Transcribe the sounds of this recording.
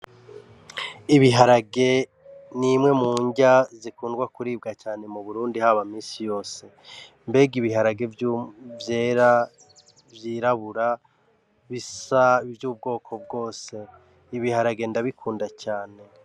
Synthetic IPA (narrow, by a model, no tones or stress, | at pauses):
iβiɦaɾaɡe̞ | nimŋe̞muːɲɟazikuːndɡwakuɾiːb̚ɡacaːne̞muβuɾuːndihaβamiːsijo̞ːse̞ | mbe̞ɡiβiɦaɾaɡe̞vjuvje̞ːɾa | vjiɾaβuɾa | βisavjuːb̚ɡo̞ːkʰo̞b̚ɡo̞ːse̞ | iβihaɾaɡe̞ndaβikʰuːndacaːne̞